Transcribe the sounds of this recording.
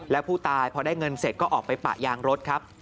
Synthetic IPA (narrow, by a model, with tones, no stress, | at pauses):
lɛː˦˥wpʰuː˥˩t̪aː˧jpʰɔː˧daː˥˩jŋɤ˧nse˨˩kɔː˥˩ʔɔː˨˩k̚pa˧jpa̰˨˩jaː˧ŋɾo˦˥t̪̚kʰɾa˦˥p̚